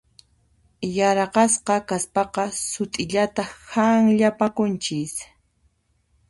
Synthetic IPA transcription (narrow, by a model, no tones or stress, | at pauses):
jaɾɑqɑsqɑkaspɑqɑsʊt̪ʼɪʎat̪ahaŋʎapakʊnt͡ʃɪs